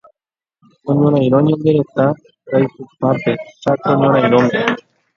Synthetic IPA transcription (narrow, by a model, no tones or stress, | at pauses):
oɲõɾajɾoɲend̪eɾot̪a | kajsupaɾt̪et͡ʃat̪oɲoɾajɾomd̪e